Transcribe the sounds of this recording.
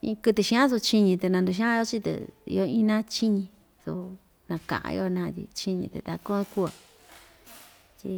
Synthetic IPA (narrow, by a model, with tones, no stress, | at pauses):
ḭ̃˧kɨ˧t̪ɨ˧ʃĩ˧ã˦su˧t͡ʃi˧ɲĩ˧t̪e˧nã˧nd̪u˧ʃ̬i˧˦ã˦jo˦t͡ʃi˦t̪ḛ˨ḭ˧o˦ĩ˦nã˦t͡ʃi˦ɲĩ˧ | su˧ | nã˧kã̰˨ʔã̰˧j̰o˧nã˧t̪ḭ˧t͡ʃi˦ɲĩ˧t̪ḛ˧t̪a˧kũ˦˧ku˦o˨ | t͡ʃi˧